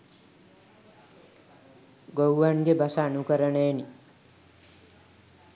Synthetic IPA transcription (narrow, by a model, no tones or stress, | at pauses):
ɡowʋanɡebʱasanukəɾəɳeeni